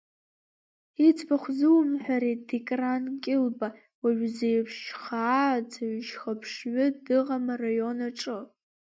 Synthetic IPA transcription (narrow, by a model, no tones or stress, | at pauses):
it͡sʰʼbaχʷzɨwmħʷᶣaɾidikʼrankʲʼɪlba | waɥʷᶣzejpʰʃχaːd͡zʰaɥʃχapʰʂɥʷʊdɨʁamarajo̞naʈ͡ʂʼɨ